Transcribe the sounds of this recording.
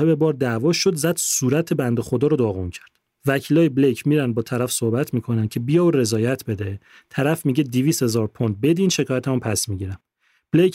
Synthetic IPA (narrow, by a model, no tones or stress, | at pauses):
hebe̞bɒːɾd̪ævɒːʃod̪zæd̪̥suːɾæt̪ʰe̞bænd̪e̞xo̞d̪ɒːɾɔd̪ɒːɣuncʰæ̥ɾd̪̥ | væcʰiːlɒːjeblejcʰmiːɾænd̪bɒːt̪ʰæɾæfsohbæt̪ʰmiːkʰo̞næncʲʰebijɒːoɾe̞zɒːjæt̪ʰbe̞d̪e | t̪ʰæɾæfmiːɟed̪iviːshe̞zɒːɾpʰond̪̚be̞d̪iːnʃe̞kʰɒːjæt̪ʰæmumpʰæsmiɟiːɾæm | b̥lejc